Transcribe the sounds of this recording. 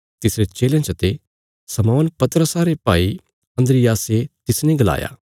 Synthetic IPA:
t̪ɪsɾet͡ʃeːljãt͡ʃɐt̪e | sɐmɔːnpɐt̪ɾəsaɾepaːi | ɐ̃nd̪ɾɪjaːset̪ɪsnẽɡɐla̰ːja̰ː

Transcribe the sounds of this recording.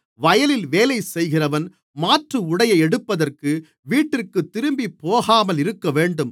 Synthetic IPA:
ʋɐjɐlɪlʋeːlɐɪsɛjɣɪrɐʋɐn | maːʈrɯʊɽɐjɐɪɛɽɯpːɐðɐrkɯ | ʋiːʈːɪrkɯt̪ːɪɾɯmbipːoːɣaːmɐlɪɾɯkːɐʋeːɳɖɯm

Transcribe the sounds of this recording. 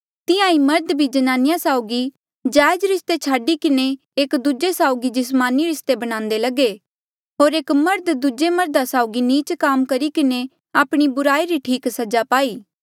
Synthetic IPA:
t̪ɪjãimɐɾd̪bʱid͡ʒɐnaːnɪjasaːoɡi | d͡ʒaːjd͡ʒɾɪst̪et͡ʃʰaːɖikɪne | eːkd̪ʊd͡ʒesaːoɡid͡ʒɪsmaːniɾɪst̪ebɐɽ̃ãːnd̪elɐɡe | ɦoːɾeːkmɐɾd̪d̪ʊd͡ʒemɐɾd̪asaːʊɡiniːt͡ʃkaːmkɐɾikɪne | aːpɽ̃ibʊɾaːiɾiʈʰiːksɐd͡ʒapaːiː

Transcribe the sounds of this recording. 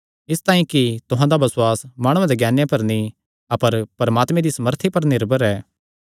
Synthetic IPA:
ɪst̪aːĩkit̪ʊɦãd̪abɐsʊaːsmaːɽ̃ũãd̪eɡjaːnjãpɐɾnĩ | ɐpəɾpɾɐmaːt̪mẽd̪isɐməɾt̪ʰipɐɾnɪɾbʱəɾɛː

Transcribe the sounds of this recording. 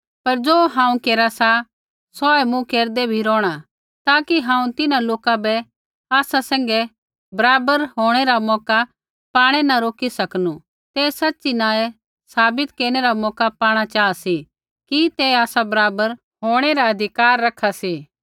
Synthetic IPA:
pɐɾd͡ʒoːɦãːũkeːɾasa | sɔɛmũkeːɾd̪ebʱiɾɔːɽ̃a | t̪aːkiɦãːũt̪ɪnãloːkabɛ | aːsasɛ̃ːŋ̆ɡɛ | bɐɾaːbəɾɦoːɽ̃eɾamɔːka | paːɽ̃ɛnaɾoːkisɐknu | t̪eːsɐtːt͡ʃinãːe | saːbɪt̪keːɾɽ̃eɾamɔːkapaːɽ̃at͡ʃaːasi | kit̪ɛaːsabɐɾaːbəɾ | ɦoːɽ̃eɾaɐd̪ʱɪkaːɾːɐkʰasiː

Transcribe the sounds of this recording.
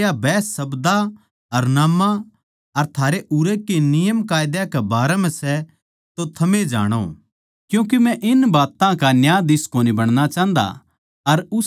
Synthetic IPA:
jabɛːsːɐbd̪a | ɐɾnaːmã | ɐɾt̪ʰaːɾeʔʊɾekenɪjəmkaːjd̪jakɛbaːɾɛmɛ̃sɛ | t̪ot̪ʰɐmẽd͡ʒa̰ːɽ̃o̰ | kjũːk̬imɛ̃ʔɪnbaːt̪ãkanjaːd̪ɪskoːnibɐɽ̃nat͡ʃãːnd̪a̰ | ɐɾʊ

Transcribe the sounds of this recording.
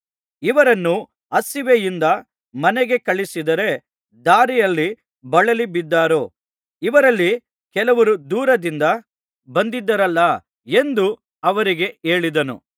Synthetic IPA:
iʋɐɾɐnːu | ɐsiʋejind̪ɐ | mɐnɛɡe̞kɐɭisid̪ɐɾe̞ | d̪aːɾijɐlːi | bɐɭɐlibid̪ːaːɾo | iʋɐɾɐlːi | kɛlɐʋɐɾud̪uːɾɐd̪ind̪ɐ | bɐnd̪id̪ːɐɾɐlːɐ | e̞nd̪u | ɐʋɐɾiɡe̞eːɭid̪ɐnṵ

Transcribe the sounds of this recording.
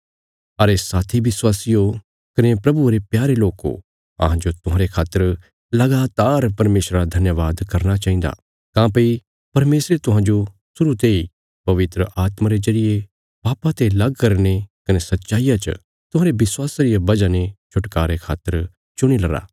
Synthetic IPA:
ɐɾesaːt̪ʰibɪswaːsijo | kɐnepɾɐbuɾepjaːɾeloːko̰ | ɐ̰ɦãd͡ʒot̪ʊɦãːɾekʰaːt̪ːəɾ | lɐɡaːt̪aːɾpɐɾmeːsɾaɾad̪ʱɐnjəʋaːd̪kɐɾñat͡ʃaːɦĩnd̪a̰ | kãːpɐi | pɐɾmeːsɾet̪ʊɦãd͡ʒo | sʊɾut̪ei | pɐʋɪt̪ɾəʔaːt̪mãɾezɐɽɪje | paːpat̪elɐɡkɐɾñekɐnesɐtːʃaːɪjat͡ʃə̰ | t̪ʊ̃ɦãːɾebɪswaːsɾɪjabɐd͡ʒanẽt͡ʃʰʊʈkaːɾekʰa̰ːt̪ːəɾ | t͡ʃʊɽ̃ilɐɾa̰ː

